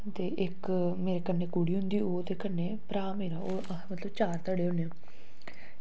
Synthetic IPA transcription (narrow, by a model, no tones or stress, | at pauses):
t̪eːʔɪk | meːɾeːkənːeːkuːɽiːɦʊ̃nd̪iːoːd̪eːkənːeːpɾaːmeːɾaːoː | mət̪ləbt͡ʃaːɾt̪əɽeːɦʊneãː